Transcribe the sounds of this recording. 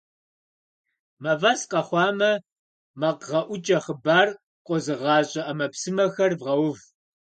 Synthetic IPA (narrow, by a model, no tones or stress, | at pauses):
mɐvɐsqɐχʷɑːmɐ | mɐqʁɐʔʷʊt͡ʃʼɐχəbaːr | qʷʼɔzɨʁɑːɕʼɐʔɐmɐpsɨmɐxɐrvʁɐwʊv